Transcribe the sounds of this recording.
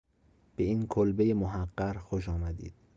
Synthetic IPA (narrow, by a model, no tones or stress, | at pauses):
b̥eiːnkʰolbejemoɦæɢːæɾxoʃ̬ɒːmæd̪ḭːd̪̥